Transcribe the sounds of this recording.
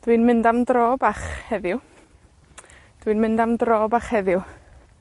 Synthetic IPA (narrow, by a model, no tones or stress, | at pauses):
d̥winmɪndamdroːbaχhɛðɪw | d̥winmɪndamdroːbaχhɛðɪw